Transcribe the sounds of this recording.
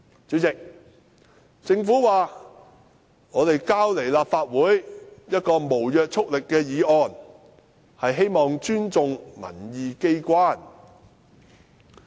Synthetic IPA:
t͡sy˨˥t͡sɪ˨k̚ | t͡sɪ˧ŋfuː˨˥waː˨ | ŋɔː˨˧t̪e˨jkaː˥wle˨˩jlaː˨p̚faː˧t̚wuː˨˥jjɐ˥t̚kɔː˧mo˨˩wjœː˨˧k̚t͡sʰʊ˥k̚lɪ˨kːɛː˧jiː˨˧ɔː˨n | hɐ˨jɦe˥jmɔː˨ŋt͡ʃyː˥nt͡sʊ˨ŋŋɐ̰˨˩njiː˨˧ke˥jkʷwaː˥n

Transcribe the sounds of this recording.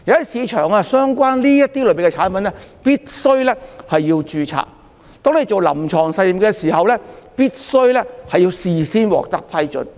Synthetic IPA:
jɐ˨wɐ˥siː˨˧t͡ʃʰœː˨˩ŋaː˧sœː˥ŋkʷaː˥nliː˥jɐ˥t̪i˥lɵ˨˧pi˨˩ŋkɛ˧t͡ʃʰaː˨˥npɐ˨˥nlɛː˥piː˥t̚sɵ˥ɥlɛ˥hɐ˨jːiː˧wt͡ʃyː˨t͡sʰa̰ː˨˩k | t̪ɔː˥ŋne˨˩jt͡so˨wlɐ̰˨˩mt͡ʃʰɔː˨˩ŋsɐ˧jliː˨˩mkɛː˧siː˨˩hɐ˨wlɛː˥piː˥t̚sɵ˥ɥlɛː˥hɐ˨jːiː˧wsiː˨˩siː˥nwɔ̰ː˨˩k̚t̪ɐ˥k̚pʰɐ˥jt͡ʃɵ̰˨˥n

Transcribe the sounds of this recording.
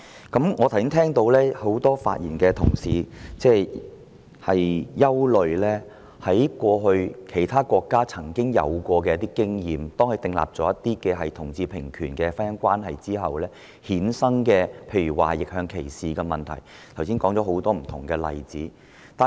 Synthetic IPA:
kɐ˨˥mŋɔː˨˧t̪ʰwsi˥nt̪ʰɛː˥ŋt̪o˧wlɛː˥ho˨˥wt̪ɔː˥fa̰ː˧t̚jiː˨˩nkɛː˧t̪ʰʊ˨˩ŋsiː˨˩t͡sɛː˧ | hɐ˨jjɐ˥wlɵ˨˧ɥlɛː˥ | hɐ˨˥jkʷɔː˧ɦɵ˧ɥkʰe˨˩jt̪ʰaː˥kʷɔː˧kːaː˥t͡sʰɐ˨˩ŋkɪ˥ŋjɐ̰˨˧wkʷɔː˧k̬ɛː˧jɐ˥t̪iː˥kɪ˥ŋjiː˨mt̪ɔː˥ŋkʰɵ˧t̪ɪ˧ŋla̰ː˨p̚t͡sɔ˨˥jɐ˥t̪ːiː˥kɛː˧ɦɐ˨jt̪ʰʊ˨˩ŋt͡siː˧pʰɪ˨˩ŋkʰyː˨˩nkɛː˧fa˥njɐ˥ŋkʷaː˥nɦɐ˨jt͡siː˥ɦɐ˨wlɛː˥ | hiː˨˥nsɐ˥ŋkɛː˧pʰe˧jɥyː˨˩wa̰ː˨jɪ˨k̚hœː˧ŋkʰe˨˩jsiː˨kɛː˧mɐ˨nt̪ʰɐ˨˩j | t̪ʰɐ˨˩wsiː˥nkɔː˨˥ŋt͡sɔː˨˥ɦo˨˥wt̪ɔː˥m̩˨˩t̪ʰʊ˨˩ŋkɛː˧lɐ̰˨jt͡siː˨˥ | t̪aː˨

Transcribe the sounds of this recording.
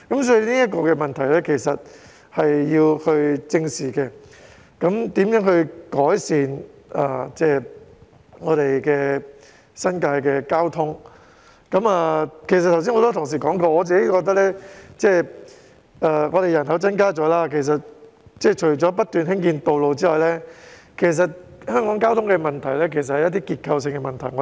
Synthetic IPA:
kɐ˨˥msɔː˨˥ji˧niː˥jɐ˥t̚kɔː˧kɛː˧mɐ˨nt̪ʰɐ˨˩jlɛː˥kʰe˨˩jsɐ˨t̚ | hɐ˨jːiː˧whɵ˧ɥt͡sɪ˧ŋsiː˨˩kɛ˧ | kɐ˨˥mt̪iː˨˥mjœː˨˥ŋhɵ˧ɥkɔː˨˥jsiː˨˧naː˨˩t͡sɛː˥˩ | ŋɔː˨˧t̪e˨jkɛː˧ | sɐ˥nkaː˧jkɛː˧kaː˥wt̪ʰʊ˥ŋ | kɐ˨˧˥mɐː˨kʰe˨˩sɐ˨t̪ʰːws̬iː˥ŋɔ˧t̪o˥t̪ʰʊ˨˩ŋs̬iː˨˩kɔː˨˥ŋkɔː˧ŋɔː˨˧t͡siː˨ke˨˦˥jkɔː˧k̚t̪ɐ˥k̚lɛː˥t͡sɛː˥˩ | ɐː˨ŋɔː˨˧ɾe˨jɐ˨˩nɦɐ˨˥wt͡sɐ˥nkaː˥t͡sɔː˨˥laː˥kʰe˨˩js̬ɐ˨t̚ | t͡sɛː˥˩t͡ʃʰɵ˨˩ɥt͡ʃɔː˨˥p̬ɐ˥t̚t̪yː˨nɦɪ˥ŋkiː˧nt̪o˨wlo˨wt͡siː˥ɔː˨˩jlɛː˥kʰe˨˩js̬ɐ˨t̚hœː˥ŋkɔː˨˥ŋkaː˥wt̪ʰʊ˥ŋkɛ˧mɐ˨˩nt̪ʰɐ˨˩jlɛː˥kʰe˨˩js̬ɐt̚hɐ˨jɐ˥t̪iː˥kiː˧t̚kʰɐ˧ws̬ɪ˧ŋkɛ˧mɐ˨nt̪ʰɐ˨˩jŋɔ˨˧

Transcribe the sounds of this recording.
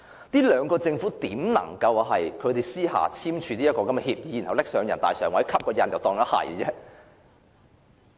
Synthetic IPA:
niː˥lœː˨˧ŋkɔː˧t͡sɪ˧ŋfuː˨˥t̪iː˨˥mnɐ̰˨˩ŋkɐ˧wɦɐ˨jkʰɵ˨˧ɥt̪e˨˩jsiː˥ɦa̰ː˨t͡sʰiː˥mt͡ʃʰyː˧niː˥jɐ˥t̚kɔː˧kɐ˨˥mɛ˧hiː˧p̚jiː˨˥ji˨˩nhɐ˨˩wlɪ˥k̚sœː˨˧ŋjɐ˨˩nt̪aː˨jsœ̰ː˨˩ŋwɐ˨˥jkʰɐ˥p̚kɔː˧jɐ˧njɐ˨wt̪ɔː˨˧ŋt̪ɐ˥t̚hɐ̰˨˩jt͡sɛː˥

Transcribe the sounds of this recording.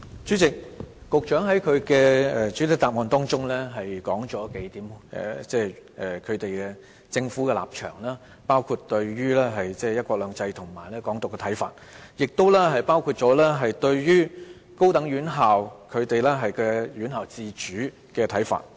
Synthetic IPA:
t͡ʃyː˨˥t͡sɪ˨k̚ːʊ˨k̚t͡ʃœː˨˥ŋɦɐ˨˥jkʰɵ˨˧ɥkɛː˧ɛ˨˩t͡ʃy˨˥t̪ɪ˨˥t̪aː˨p̚ŋɔː˨˧nt̪ɔː˥ŋt͡sʊ˥ŋlɛː˥ɦɐ˨jkɔː˨˥ŋt͡sɔː˨˥ke˨˥jt̪iː˨˥mɛ̰˨t͡sɛː˥˩ʔɛː˨˩kʰɵ˨˧ɥt̪e˨jkɛ˧ | t͡sɪ˧ŋfu˨˥kɛ˧la̰ː˨p̚t͡ʃʰœ̰ː˨˩ŋlaː˥ | paː˥wkʰu˧t̚t̪ɵ˧ɥɥyː˥lɛː˥ɦɐ˨jt͡sɛː˥˩jɐ˥t̚kʷɔː˧k̚lœː˨˧ŋt͡sɐ˧jt̪ʰʊ˨˩ŋma̰ː˨˩jlɛː˥kɔː˨˥ŋt̪ʊ˨kːɛ˧t̪ʰɐ˨˥jfa̰ː˧˨t̚jɪ˨k̚t̪o˥wlɛː˥ɦɐ˨jpaː˥wkʰu˧t̚t͡ʃɔː˨˥lɛː˥ɦɐ˨jt̪ɵ˧ɥjyː˥ | ko˥wt̪ɐ˨˥ŋɥyː˨˥nɦaː˨wkʰɵ˨˧ɥt̪e˨jlɛː˥ɦɐ˨jkɛ˧ɥyː˨˥nɦaː˨wt͡siː˧t͡ʃyː˨˥ | kɛː˧t̪ʰɐ˨˥jfa̰ː˨t̚

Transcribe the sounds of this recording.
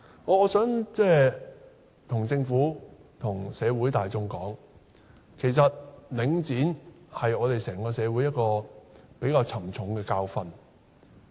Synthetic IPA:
ɔː˧ɔː˨˧sœː˨˥ŋt͡sɛː˥ | t̪ʰʊ˨˩ŋt͡sɪ˧ŋfuː˨˥ | t̪ʰʊ˨˩ŋsɛː˨˧wuː˨˥jt̪aː˨jt͡sʊ˧ŋkɔː˨˥ŋ | kʰe˨˩js̬ɐ˨t̚lɪ˨˧˥ŋt͡siː˨˥nhɐ˨jɔː˨˧t̪e˨jsɛː˨˩ŋkɔː˧sɛː˨˧wu˨˥jɐ˥t̚kɔː˧pe˨˥jkaː˧wt͡sʰɐ˨˩mt͡sʰʊ˨˥ŋkɛː˧kaː˧wfɐ˧n

